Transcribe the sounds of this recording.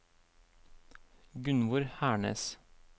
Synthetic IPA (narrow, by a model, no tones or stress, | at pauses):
ɡʉnʋʊɾhæːɳə̰s